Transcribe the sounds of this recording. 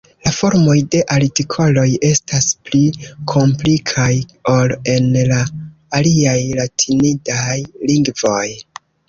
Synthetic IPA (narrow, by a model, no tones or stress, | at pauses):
lafo̞ɾmo̞jde̞ʔaɾtikʰo̞lo̞je̞stasplikʰo̞mplikʰajo̞le̞nlaː | liajlatʰinidajliŋɡvo̞j